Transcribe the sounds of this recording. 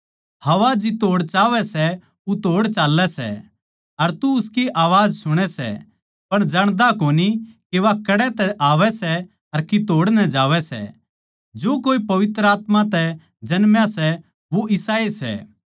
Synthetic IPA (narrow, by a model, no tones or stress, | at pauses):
hɐʋad͡ʒit̪oːɽt͡ʃaːʋɛsɛ | ut̪oːɽt͡ʃaːlːɛsɛ̰ | ɐɾt̪uʊskiʔaːʋaːd͡ʒsʊɽ̃ɛsɛ̰ | pɐɽ̃d͡ʒɐɽ̃d̪akoːnikeʋakɐɽɛt̪ɛʔaːʋɛsɛ | ɐɾkit̪oːɽnɛd͡ʒaːʋɛsɛ̰ | d͡ʒoːkoːipɐʋɪt̪ɾəaːt̪mãt̪ɛ | d͡ʒɐnmjãsɛ | ʋoʔɪsaːesɛ̰